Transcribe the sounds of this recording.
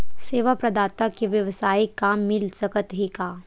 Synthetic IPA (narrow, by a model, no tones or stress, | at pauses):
seːʋapɾɐd̪aːt̪akiʋjɐʋsaːikaːmːɪlsɐkət̪ɦikaː